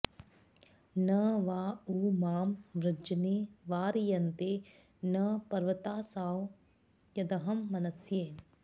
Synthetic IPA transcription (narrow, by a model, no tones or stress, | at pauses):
nɐʋaːuːmaːmʋɾɨd͡ʒɐneːʋaːɾijɐnt̪eː | nɐpɐɾʋɐt̪aːsaːw | jɐd̪ɐɦɐmːɐnɐsjeːn